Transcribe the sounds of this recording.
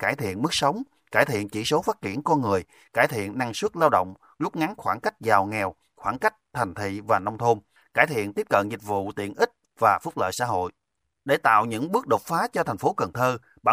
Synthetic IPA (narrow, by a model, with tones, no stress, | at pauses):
kaː˧˩jt̪ʰḭ˧˨ənmɨ˦˥k̚sə˨˦wŋ͡m | kaː˧˩jt̪ʰḭ˧˨ənt͡ɕi˧˩so˨˦faː˦˥t̚t͡ɕi˧˩ənkɔ˧nŋɨ˨˩əj | kaː˧˩jt̪ʰḭ˧˨ənːa˧ŋswə˦˥t̚laː˧wɗo̰˧˨wŋ͡m | zʊ˦˥k͡p̚ŋa˨˦nxwaː˧˩nka˦˥jk̟̚zaː˨˩wŋɛ˨˩w | xwaː˧˩nka˦˥jk̟̚t̪ʰɛ˨˩ŋ̟t̪ʰḭ˧˨vaː˨˩nɔ˧wŋ͡mt̪ʰo˧n | kaː˧˩jt̪ʰḭ˧˨ənt̪i˦˥əp̚kə̰˧˨nzï˨˩k̟̚vṵ˧˨t̪ḭ˧˨ənʔï˦˥k̟̚ | vaː˨˩fʊ˦˥k͡p̚lə̰ː˧˨jsa̰ː˧˥ɦo̰˧˨j | ɗe˧˩t̪a̰ː˧˨wɲɨ̰˧˥ŋɓɨ˦˥ək̚ɗo˨˩t̚faː˨˦t͡ɕɔ˧t̪ʰa˨˩jŋ̟fo˨˦kə˨˩ŋt̪ʰəː˧ | ɓaː˧˩